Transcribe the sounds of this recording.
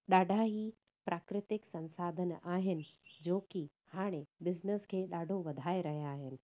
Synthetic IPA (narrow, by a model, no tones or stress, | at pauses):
ɗaːɖʱaɦi | pɾaːkɾɪt̪ɪksɐ̃nsaːd̪ʱənaːɦɪnɪ̆d͡ʑoːki | haːɽ̃ẽbɪznəskʰeːɗaːɖʱoʋɐd̪ʱaːeɾɐɦijaːɦɪnɪ̆